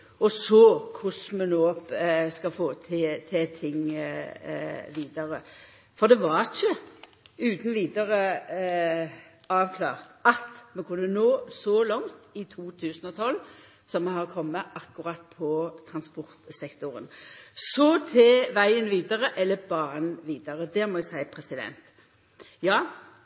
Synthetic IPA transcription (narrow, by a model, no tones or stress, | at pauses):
ɔsɔkʰʊsmɛnoːskɑfoːt̪ʰɪt̪ʰɪt̪ʰɪŋ | ʋiːd̪əɾə | fɔʁd̪ɛʋɑʁçə | ʉːt̪n̩ʋiːd̪əʁə | ɑːʋkʰlɑ̰ːʁt̪ɑt̪mɛkʰʉnːənoːsɔlɔŋt̪ɪt̪ʰuːt̪ʰʉːsnɔt̪ʰɔlː | sɔmmɛɦɑʁkʰɔmːəʔɑkːʊʁɑt̪̚pʰɔt̪ʰʁɑnspɔʁt̪sɛkt̪ʊʁə̰nsɔt̪ʰɛʋæɪənʋiːd̪əʁəʔɛlːəbɑːʁənʋiːd̪əʁəd̪ɛmɔæɪsæɪpʰɾɛsɪd̪ɛ̰nt̪ | jɑː